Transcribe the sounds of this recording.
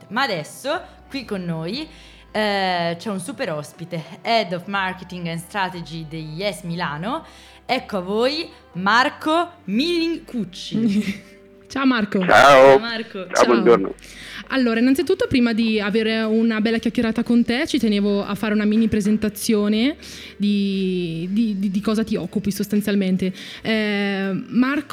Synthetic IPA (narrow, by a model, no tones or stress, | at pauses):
maːd̪ɛsːo | kwikːonːoːj | t͡ʃɛunsupeɾɔspit̪eɛd̪ɔfmaɾket̪iŋɡɛnst̪ɾat̪ed͡ʒid̪ejːɛsmilaːno | ɛkːoavːoːj | markomilːiŋkut͡ʃːi | t͡ʃaomarkot͡ʃa̰oarkot͡ʃa̰obond͡ʒoɾno̰alːoːɾainːant̪sit̪ut̪ːopɾiːmad̪iaveːɾeunabɛlːakjakːeɾaːt̪akont̪et͡ʃit̪eneːvoa̰fːaːɾeunamiːnipɾezent̪at̪sːjoːne | d̪i | d̪id̪id̪ikɔːzat̪iɔkːupisost̪ant̪sjalment̪e | mark